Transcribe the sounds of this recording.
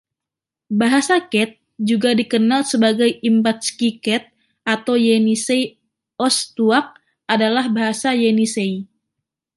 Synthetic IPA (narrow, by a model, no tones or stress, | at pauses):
baɦasakɛt̪̚ | d͡ʒuɡadikənalsəbaɡajimbat̪̚skikɛt̪̚ | ʔat̪awjenisej | ɔst̪uak̚ | ʔadalahbaɦasajenisej